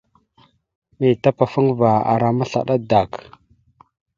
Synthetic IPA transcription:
mi˨ta˦pa˨fu˦ŋva˨a̰˨ɾa˨ma˦ɬa̰˨ɗa˦da˨k

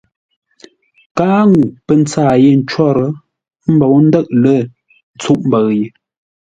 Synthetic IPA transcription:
kaː˦ŋu˨pə˨n˦t͡saː˦˨je˦˨n̩˦t͡ʃwɔ˦˨ɾə˨˦ | m̩˦bo˨wn̩˦də˦˨ʔ̚lə˦˨ | n̩˨t͡su˦ʔm˦bə˨ɣje˨

